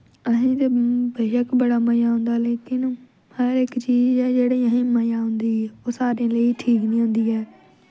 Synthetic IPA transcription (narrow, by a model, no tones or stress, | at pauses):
əɦĩt̪ebeːʃəkbəɽaːməjaːɦʊ̃ːnd̪aːleːkɪn | həɾɪkt͡ʃiːd͡ʒɛːd͡ʒeːɽeiəɦĩːməjaːɦʊ̃nd̪iːoːsaːɾẽleiʈʰiːknĩːɦʊ̃ːnd̪iːɛː